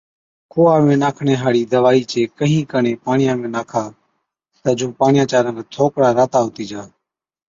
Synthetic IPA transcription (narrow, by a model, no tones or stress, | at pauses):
kʰoːaːmẽːnaːkʰɳẽːɦaːɽiːd̪əʋaːiːt͡ʃeːkəɦĩːkəɳẽːpaːɳɪjãːmẽːnaːkʰaː | t̪əd͡ʒõːpaːɳɪjãːt͡ʃaːɾəːɾeːt̪ʰoːkɽaːɾaːt̪aːɦoːt̪iːd͡ʒaː